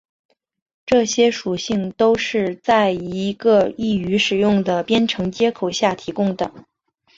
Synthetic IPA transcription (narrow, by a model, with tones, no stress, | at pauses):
ʈ͡ʂɤ˥˩ɕjɛ˥ʂu˨˩ɕi˥˩ŋt̪o˥ʊʂɻ̩˥˧t͡sa˥˩ɪi˧˥ɡə˧i˥˩y˧˥ʂɻ̩˨˩jʊ˥˩ŋd̪ə˩pjɛ˥nʈ͡ʂʰɤ˧˥ŋt͡ɕjɛ˥kʰo˨˩ʊɕja˥˩t̪ʰi˧˥kʊ˥ŋd̪ə˨˩